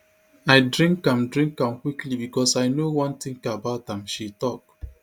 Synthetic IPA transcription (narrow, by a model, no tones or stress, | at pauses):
aɪdɹĩŋkãmdɹĩŋkãmkwiklibikɔsaɪnowɔ̃nt̪ĩŋkabaʊtãmʃitɔk̚